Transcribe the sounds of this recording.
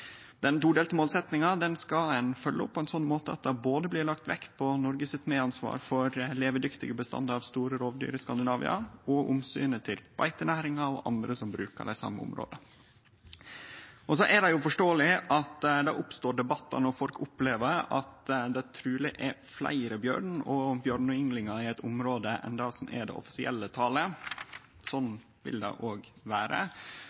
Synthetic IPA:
d̪̥ɛnt̪uːd̪eːlt̪əmoːlsɛt̪nɪŋɑd̪ɛnskɑɛnfœlːəʊpːɔɛnsɔnːmoːt̪əɑ̰t̪̚d̪ɑboːd̪əblɪːɾɭɑkt̪ʋɛ̰kt̪pʰɔnɔɾɡəsɪt̪meːɑnsʋɑ̰ːɾfɔɾleːʋəɖ̪ʏkt̪ɪɡəbəst̪ɑ̰nd̪əɑʋst̪uːɾəɾoːʋd̪y̰ːɾəskɑnd̪ɪnɑːʋɪ̰ɑ̰ɔʔʊmsy̰ːnət̪ʰɪlb̥ɑ̰ɪt̪ənæːɾɪŋɑɔʔɑ̰nd̪ɾəsɔmbɾʉ̰ːkə̰ɖæɪsɑ̰mːə̰ʊ̰mɾo̰ːd̪ə | ɔs̬ɔʔæɖ̪ɛjʊfɔʂʈoːəlɪʔɑt̪d̪ɑ̰ʔʊpst̪oːɖɛbɑt̪ːɑ̰nɔɾfɔlkʊpleːʋəɾɑt̪d̪ɛæt̪ʰɾʉːlɪʔæflæ̰ɪɾəbjø̰ːɾɳɔbjøːɾɳɔɪŋlɪŋɑɪɛɪt̪ʰʊmɾoːd̪əʔɛ̰nd̪ɑsɔmɛ̰ɖ̪ɛ̰ʔɔ̰fɪ̥sɪʔɛlːət̪ʰɑːlə | sɔnː | ʋɪ̰ld̪ɛ̰ɪʔoːɡʋæːɾə̰

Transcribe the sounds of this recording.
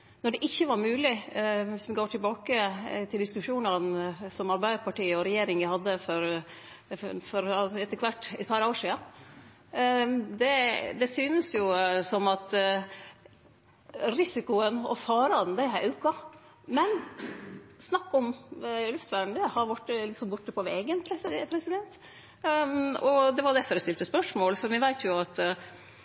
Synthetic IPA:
nɔɖɛʔɪçːəʋɑɾmʉːlɪʋɪsʋɪɡoːʈʰɪlbɑːkət̪ʰɪld̪ɪskʉʂuːnɑnsɔmɑɾbæɪd̪əɾpɑʈiːɔɾɛjeːɾɪŋʋɪhɑd̪ːəfɔɾ | fɔɾɛt̪ːəkʰʋɑʈːɛt̪̚pʰɑːɾoːəʂiːɑn | d̪ɛd̪ɛsyːnəsjʊsɔmɑt̪ | ɾɪsɪkʊənɔ̰fɑːɾɑnd̪æɪɦæʔʉːkɑ | mɛn | snɑkːɔmlʉft̪ʋæːɳd̪ɛhɑɾbʊʈːəlɪksɔmbʊʈːəpʰɔʋḛːɡənpʰɾɛpʰɾɛsɪd̪ɛnt̪ | ɔd̪ɛʋɑɖɛfɔːɾɛst̪ɪlt̪əspœʂmoːlfɔɾʋɛʋæɪt̪ʰjʊɑt̪

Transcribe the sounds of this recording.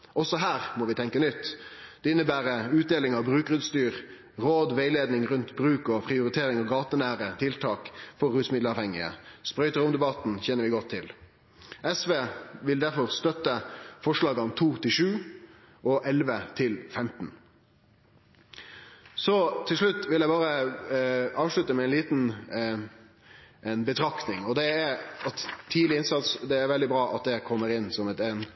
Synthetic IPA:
ʔɔsɔɦæːʁmɔʋɪt̪ʰɛŋkənʏt̪ːd̪̥ɛɪnːəbæːɾəʉːt̪̚d̪eːlɪŋɑʋbɾʉːkʁʉt̪st̪yːɾ | ɾoːd̪ʋeɪleːd̪nɪŋɾʉnt̪bɾʉːkɔpʰʁɪʊɾɪt̪ʰeːɾɪŋɑʋɡɑːt̪ənæːɾət̪ʰɪlt̪ʰɑːkfɔɾʉːt̪smɪd̪ləɑʋhɛŋɪə̰spɾœʏt̪əɾʊmd̪ɛbɑt̪n̩çɛnəɾʋɪɡɔt̪ʰːɪl | ʔɛsʋeːʋɪld̪æɾfɔɾst̪œt̪əfɔʂɭɑːɡɑnt̪ʰuːt̪ʰɪlʂʉː | ʔɔʔɛlʋət̪ʰɪlfɛmt̪n̩ | sɔt̪ʰːɪlʂɭʉt̪ːʋɪljæɪbɑːɾə | ɑːʋʂɭʉt̪əmɛɛɪnliːt̪n | ʔɛnbət̪ʰɾɑkt̪nɪŋɔd̪ɛæɾɑt̪ʰːiːlɪɪnsɑt̪sd̪ɛːɾʋɛld̪ɪbɾɑːʔɑt̪̚d̪ɛkʰɔmːəɾɪnsɔmɛt̪ɛːn

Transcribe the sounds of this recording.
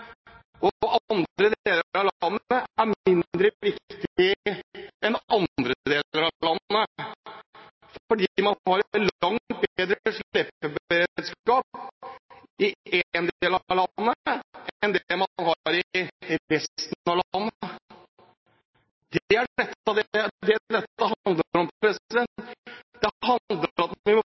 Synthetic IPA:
ɔɑɑnd̪ɾəd̪eːləɾɾɑʋlɑnːəæɾmɪnd̪ɾəʋɪkt̪ɪ | ɛnɑnd̪ɾəd̪eːləɾɑlɑnːə | fɔɖiːmɑnhɑɾt̪lɑŋt̪̚beːd̪ɾəʂepːəbəɾeːd̪skɑːp | ɪend̪eːlɑlɑnːənd̪lmɑnɦɑɾɪɾɛst̪n̩ɑʋlnː | d̪æɛt̪ːɑd̪ɛd̪ɛd̪ɛt̪ːəɦɑnd̪lɾɔmpɾɛsɪd̪ɛnd̪ɛɦɑnd̪əɾɑt̪ʋɪmɔ

